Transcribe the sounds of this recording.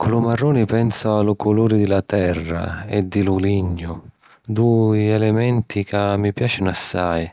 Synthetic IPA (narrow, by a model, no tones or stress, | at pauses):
kʊlʊmarːuːnipɛnsaalʊkʰʊluːɾɪd̪ɪlat̪ɛrːa̰ɛ̰d̪ːɪlʊliɲːʊ | d̪uiɛlɛmɛnt̪ikamːipjaːt͡ʃɪnʊasːaj